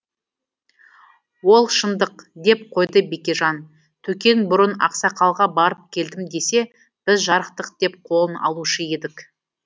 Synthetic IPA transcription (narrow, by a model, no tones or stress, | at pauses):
wo̞lˠʃənd̪əqd̪e̞p̚qʰo̞jd̪əbe̞kʲe̞ʒɑn | t̪ʰɵkʲe̞nbʊɾənɑ̰qsɑqʰɑlˠʁɑbɑɾəp̚kʲʰe̞ld̪ɪmd̪e̞se̞ | b̥ɪzʒɑɾəqt̪əq̚d̪̥e̞p̚qʰo̞lˠənɑ̰lˠuʃəje̞d̪ɪk